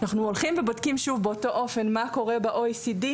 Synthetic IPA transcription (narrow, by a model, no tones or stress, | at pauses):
naχnuolχimvebodkimʃuvbeoto̞ʔofe̞nmako̞ʁe̞baʔojsidi